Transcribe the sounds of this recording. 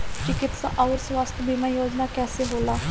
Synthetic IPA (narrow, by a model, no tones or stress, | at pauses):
t͡ʃɪkɪt̪sa̰ʔaːɾsʋaːst̪ebimãːjoːd͡ʒnaːkɛːseɦoːlaː